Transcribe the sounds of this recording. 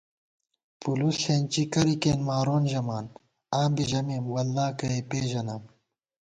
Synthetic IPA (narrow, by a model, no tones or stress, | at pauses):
pulusheːnt͡ɕikɐɾikeːnmaːɾoːnʑɐmaːn | aːmbiʑɐmeːmwɐlːaːkɐepeːʑɐnaːm